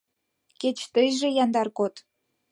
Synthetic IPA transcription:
ket͡ɕt̪əjʒĕjɑnd̪ɑrkot̪

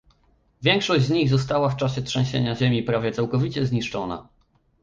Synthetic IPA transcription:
vʲjɛŋkʂɔʑd͡ʑzɲiɣzɔst̪awaft͡ʂaɕɛtʂɛ̃ɕḛɲaʑemʲipɾavʲjɛt̪sawkɔvʲit͡ɕɛzɲiʂt͡ʂɔna̰

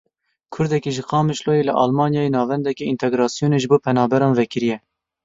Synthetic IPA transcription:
kʰʊɾd̪ɛkiʒɨqɑːmɨʃloːjelɨʔɑ̰lmɑːnjɑːjenɑːvɛnd̪ɛkiint̪ʰɛɡɾɑːsijoːneːʒɨboːpʰɛnɑːbɛɾɑːnvɛkɪɾijɛ

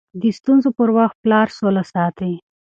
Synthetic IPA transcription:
d̪əst̪unzopəɾwaxt̪̚plɑɾsolasɑt̪ə

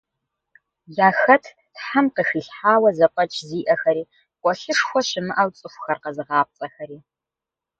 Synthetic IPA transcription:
jaːxɐtʰ | tħamqəxiːɬħaːwɐzɐqʷʼɐt͡ʃʰʼziːʔɐxɐɾiː | qʷʼɔɬɨʂxʷɔɕɪmɨʔɐwt͡sʼɨxʷxɐrqɐzɨʁɑːp̚t͡sʼɐxɐɾiː

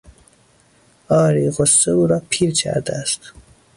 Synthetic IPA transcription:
ɒːɾiːɣosːeuːɾɒːpʰiːɾcʰæ̰ɾd̪eæst̪

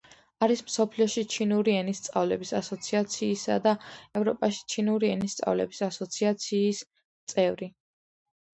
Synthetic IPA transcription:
aɾismsɔpʰliɔʃit͡ʃʰinuɾiɛnist̪sʼa̰vlɛbisasɔt̪sʰiat̪sʰiːsa̰d̪aɛvɾɔpʼaʃi̥t͡ʃʰinuɾiɛnist̪sʼa̰vlɛ̰bisasɔt̪sʰiat̪sʰiːs | t̪sʼɛvɾi

